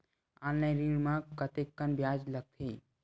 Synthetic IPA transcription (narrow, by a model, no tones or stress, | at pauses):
ãːnlaɾimãkət̪ekːənbjaːd͡ʒləɡ̚t̪ʰi